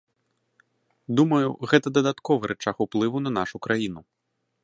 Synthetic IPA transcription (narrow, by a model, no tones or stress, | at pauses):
d̪umɐjuɣɛt̪ɐd̪ɐd̪at̪kɔvɐɾɛt͡ʂaxuplˠɨvunɐnaʂukɾʔajinu